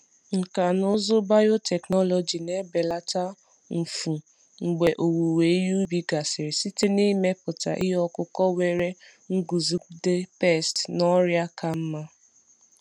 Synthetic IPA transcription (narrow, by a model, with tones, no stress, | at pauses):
ŋ̩˨ka˨nʊ˦zʊ˦ba˦jo˦tɛ˨knɔ˦lɔ˨d͡ʒi˨ne˦be˨la˦ta˦ | m̩˨fu˨ | ŋ͡m̩˨ɡ͡be˨ʔo˨wu˨we˨i˦ju˦bi˨ɡa˨sɪ˨ɾɪ˨si˦te˦ni˦me˦pʊ˨ta̰˨ʔɪ˦ɦɔ˦kʊ˦kɔ˦we˨ɾe˦ | ŋ̩˦ɡu˨zi˦de˦pe˦˨stnɔ˦ɾja˦ka˨m̩˦ma˦